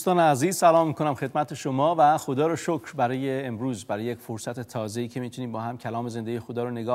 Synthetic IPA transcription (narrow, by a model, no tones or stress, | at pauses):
st̪ɒːneæziːz̥sælɒːmːiːkʰo̞næmxe̞d̪̚mæt̪ʰeʃomɒːvæxod̪ɒːɾoʃokʰɾbæɾɒːjeːmɾuːzbæɾɒːjejecʲfoɾsæt̪ʰet̪ʰɒːze̞iːcʰe̞miːt̪ʰuniːmbɒːhæmcʰælɒːmeze̞nd̪eɟijexod̪ɒːɾone̞ɡɒː